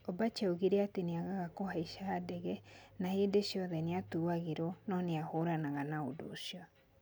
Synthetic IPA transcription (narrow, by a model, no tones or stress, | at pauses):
obat͡ʃɛoɣiɾeateneaɣaɣakohaiʃaːdɛɣɛnahedeʃiɔðɛneatuaɣeɾɔnɔneahoɾanaɣanaodo̰siɔ